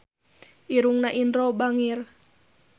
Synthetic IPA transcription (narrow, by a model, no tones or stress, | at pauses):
ʔiɾuŋnaʔindɾɔbaŋir